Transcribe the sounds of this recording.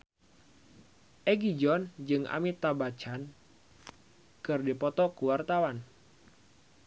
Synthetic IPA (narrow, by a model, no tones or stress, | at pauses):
ʔɛɡid͡ʒɔnd͡ʒɨŋʔa̰mit̪abat͡ʃan | kɨrdipɔt̪ɔkuwart̪awan